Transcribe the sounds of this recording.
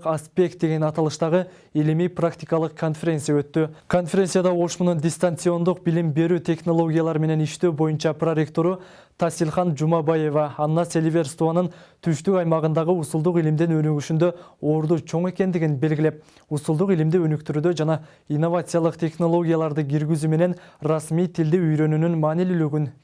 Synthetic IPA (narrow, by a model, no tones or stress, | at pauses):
aspʲe̞k̚t̪̚d̪e̞ɡe̞nɑt̪ɑlˠɯʃt̪ɑʁɯ | ilimijprakt̪ʲikɑlˠɯqkʰːo̞nfʲe̞ɾʲe̞nsɨjaø̞t̪ːykʰo̞nfʲe̞ɾʲensɨjad̪ɑo̞ʃmunund̪ʲɪst̪ant̪sɨo̞nd̪uq̚bilimbe̞ɾyt̪ʲʰe̞χno̞lˠo̞ɡʲjalˠɑɾme̞ne̞niʃt̪ø̞ːbo̞junt͡ʃɑpro̞ɾʲe̞kt̪o̞ɾu | t̪ʰɑsilˠχɑnd͡ʒumɑbaje̞vɑːnnɑse̞lʲvʲe̞rst̪uanɯnt̪ʰyʃt̪ykɑjmɑʁɯnd̪ɑʁɯusulˠd̪uqilimd̪inø̞nyɡyʃynd̪ø̞o̞ɾd̪ut͡ʃʰo̞ɴe̞ke̞nd̪iɡʲinbe̞lɡʲile̞p̚ | usulˠd̪uqilimd̪iø̞nykt̪yɾyːd̪ød͡ʒɑnɑ | inːo̞vat̪sɨjɑlˠɯqt̪ʰʲe̞χno̞lˠo̞ɡʲijalˠɑɾd̪ɯɡʲiɾɡyzyme̞ne̞nrɑsmijt̪ʰild̪iyjɾø̞nynynmɑːnilylyɡyn